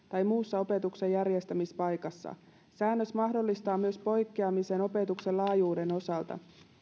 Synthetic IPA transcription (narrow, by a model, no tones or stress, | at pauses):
t̪ɑjmuːsːɑo̞pe̞t̪ukse̞jːærjest̪æmispɑjkɑsːɑ̰ | sæːnːøsmɑɦdo̞lːist̪ɑːmyø̞spo̞jkːeɑmiseno̞pe̞t̪ukse̞lɑːjuːde̞no̞sɑlt̪ɑ̰